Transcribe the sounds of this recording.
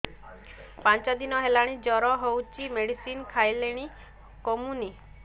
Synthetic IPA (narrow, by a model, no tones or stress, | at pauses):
pãnt͡ʃad̪inɔɦelaɽ̃id͡ʒɔɾɔɦowt͡ʃimeɽisinkʰajleɽ̃i | komuni